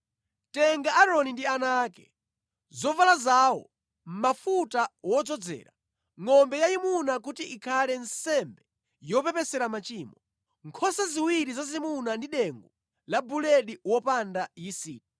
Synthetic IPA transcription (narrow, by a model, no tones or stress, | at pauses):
tɛŋɡaʔaɾɔnindianaːkɛ | zɔvalazawɔ̰ | m̩mafutawɔd͡zɔd͡zɛ̰ːɾa | ŋɔmbɛjajimunak̬utiʔikʰalɛnsɛmbɛ | jɔpɛpɛsɛɾamat͡ʃiːmɔ | ŋkʰɔsaziwiɾizazimunandiɗɛŋɡu | labulɛɗiwɔpandajisiːti̥